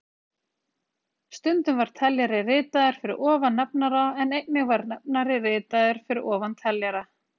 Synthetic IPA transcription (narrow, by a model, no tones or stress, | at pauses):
st̪ʏnt̪ʏmvaɾ̥t̪ʰɛljaɾɪrɪːt̪aðʏɾ̥fɪɾɪ̰ɾɔːvanːɛp̚naɾaɛnejt̪nɪɣvaɾnɛp̚naɾɪrɪːt̪aðʏɾ̥fɪɾɪɾɔːvant̪ʰɛljaɾa